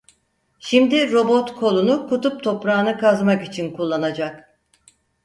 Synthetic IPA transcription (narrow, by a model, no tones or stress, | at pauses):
ʃimd̪iɾo̞bo̞t̪kʰo̞lˠunukʰut̪up̚t̪ʰo̞pɾaːnɯkazmakit͡ʃʰinkulˠːanad͡ʒak